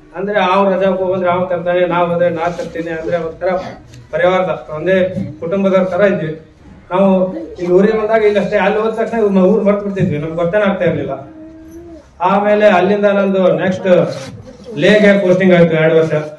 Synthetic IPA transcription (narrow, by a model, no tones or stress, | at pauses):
ɐnd̪ɐɾeaːʋuɾɾɐd͡ʒakobɐnd̪ɾeaːʋɐt̪ɐmt̪aːnenaːʋond̪ɾenaːt̪t̪ɐɾt̪iːniɐnd̪ɐɾeʋɐd̪̚t̪ɐɾɐpɐɾiʋaːɾɐd̪ɐt̪ɐnd̪ekuʈumbɐd̪ɐɾt̪ʰɐɾɐid̪ʋi | naːʋuiluːɾiɡebɐnd̪aːɡɐiɡɐʂʈ̪eɐlːioːd̪̚t̪ɐkʂnemɐuːɾbɐɽt̪biɽt̪id̪ʋinɐmɡɡot̪ːeːnaːɡ̚t̪aːiɾlilːɐ | aːme̞ːle̞ɐlːind̪ɐnɐnd̪uneksʈ | leːɡepoːsʈiŋɡaːjt̪ueːɽuʋɐɾʂɐ